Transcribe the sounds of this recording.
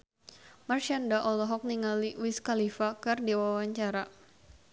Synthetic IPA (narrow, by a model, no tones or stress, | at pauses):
marʃandaʔɔlɔɦɔk̚niŋaliwiskalifakɨrdiwawaɲt͡ʃaɾa